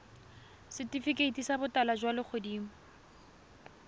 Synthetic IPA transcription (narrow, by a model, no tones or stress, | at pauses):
sɪtifikeitʼisabʊtalad͡ʒwalɪk͡xʰʊdiːmʊ